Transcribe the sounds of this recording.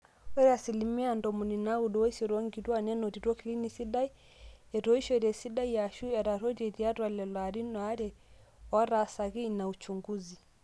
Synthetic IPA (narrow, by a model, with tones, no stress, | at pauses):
wɛ˦ɾɛa˨silimi˦andɔ˨mu˨ni˨na˦u˨ɗɔ˨wi˦sɔɾɔ˦ŋɡiɾwa˦nɛ˦nɔ˨ɾi˨ɾwɔ˦kili˦nisi˦ɗa˦i | ɛ˨ɾɔ˦i˦ʃɔɾɛ˨si˦ɗa˦ijaʃu˦ja˨ɾa˨ɾɔ˦ɾɛ˨ɾia˦ɾwa˨lɛ˨lwaɾi˦nɔa˦ɾɛɔ˦ɾasa˨ɣi˦naut͡ʃuŋɡuzi˨